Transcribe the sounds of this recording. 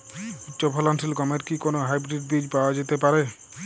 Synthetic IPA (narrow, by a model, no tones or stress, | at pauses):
utːʃɔpʰɔlansilkɔmeɾkikonoɦajbɾiɖ̚bid͡ʒpaoad͡ʒet̪epaɾe